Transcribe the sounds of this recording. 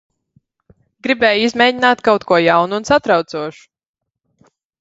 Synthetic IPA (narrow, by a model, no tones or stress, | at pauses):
ɡɾibɛːjizmʲɛːɟinaːt̪kawt̪kʰuɔjawnuːnsat̪ɾawt̪suɔʃu̥